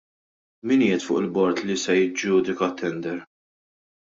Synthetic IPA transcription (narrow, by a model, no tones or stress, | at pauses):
miniːjɛt̪fʊ̰ːʔɪlbɔɾt̪lisɛjɪd͡ʒuːd̪ɪkɐt̪ʰːɛnd̪ɛɾ